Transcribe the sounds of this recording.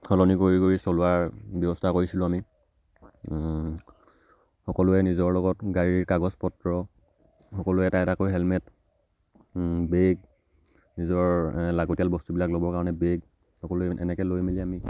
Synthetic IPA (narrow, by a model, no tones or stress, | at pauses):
kʰɔlɔnikoɹikoɹisɔlʊwaɹbjɔbɔstʰakoɹisilʊ̃ami | xɔkɔlʊɛnizɔɹlɔɡɔtɡaɹiɹkaɡɔspɔtɹɔ | xɔkɔlʊɛtaɛtakojɦɛlmɛt | beɡ̚ | nizɔɹlaɡotijalbɔstubilaklobɔɹkaɹɔnɛbeɡ | xɔkɔlʊɛɛ̰nɛkɛlojmilɛami